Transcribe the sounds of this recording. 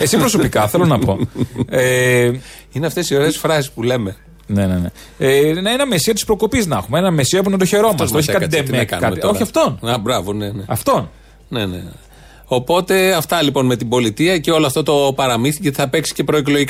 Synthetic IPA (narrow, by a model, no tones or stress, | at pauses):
esipɾoso̞pikɐθe̞lo̞nɐpo̞e | ineɐft̪e̞sio̞ɾesfɾɐsi̥spule̞me̞ | nenene | enɐinɐmesiɐt̪i̥spɾo̞kopiznɐxumeenɐmesiɐeponɐd̪oçe̞ɾo̞mɐssçikɐtkɐeimekɐ̰nmeooɾçiɐft̪onɐbɾɐvoneneɐft̪o̞n | ne̞nḛ | o̞po̞t̪e̞ɐft̪ɐlipo̞nme̞t̪ibo̞lit̪iɐceo̞loɐft̪o̞t̪o̞pɐɾɐmiθiet̪i̥θɐpe̞ksi̥ce̞pɾo̞eklo̞ʝik